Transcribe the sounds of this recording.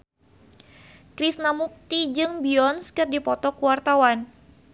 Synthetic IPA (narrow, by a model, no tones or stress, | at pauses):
kɾisnamuk̚t̪id͡ʒɨŋbiɔnskɨrdipɔt̪ɔkuwart̪awan